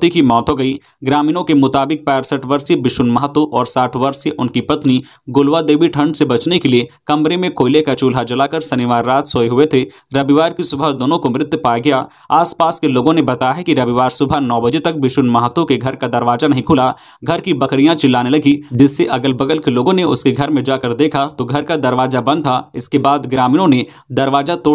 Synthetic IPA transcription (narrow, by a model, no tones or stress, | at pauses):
t̪ikimɔːt̪ɦoɡɐi | ɡɾaːmiːnõkemʊt̪aːbɪk̚pɛːɾsəʈʋɐɾsebɪʃʊnmɐɦət̪oʔɔːɾsaːʈʰʋɐɾseʔʊnkipɐt̪ni | ɡʊlʋad̪eːbiʈʰɐ̃ɳɖsebɐt͡ʃnekeliekɐ̃mpɾemẽkoːɪlekat͡ʃuːlɦad͡ʒɐlaːkɐɾsɐnɪʋaːɾːaːt̪soeɦʊet̪ʰe | ɾɐbiʋaːɾkisʊbʱad̪oːnõkomɾɪt̪ːpaːjaɡɐja | aːspaːskeloːɡõnebɐt̪aːjaɦɛkiɾɐʋiʋaːɾsʊbʱanɔːbɐd͡ʒet̪ɐk̚bɪʃʊnmɐɦət̪õkeɡʱɐɾkad̪ɐɾʋaːzanɐɦĩkʰʊla | ɡʱɐɾkibɐkɾijãt͡ʃɪlːaːnelɐɡid͡ʒɪsːeʔɐɡəlbɐɡəlkeloːɡõneʊskeɡʱɐɾmẽd͡ʒaːkəɾd̪eːkʰat̪oɡʱɐɾkad̪ɐɾʋaːzabɐ̃nd̪̚t̪ʰaɪskebaːd̪ɡɾaːmiːnõne | d̪ɐɾʋaːd͡ʒat̪oː